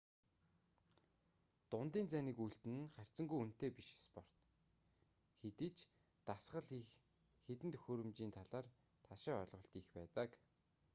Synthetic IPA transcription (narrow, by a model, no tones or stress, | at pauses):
t̪ʊnt̪iːnt͡sæniːkujɬt̪ɘ̆nɘ̆χær̥ʲt͡sə̆ŋɡujun̥t̪eːpiʃespɔr̥t̪ | xet̪iːt͡ɕ | t̪asχə̆ɮ | xet̪ɘ̆nt̪ʰɵ̥xoːɾɵ̆mt͡ɕiːnt̪ʰaɮaːr | t̪ʰaʃɪ̆ːɔɮʁɞ̆ɬt̪ixpæːt̪ə̆k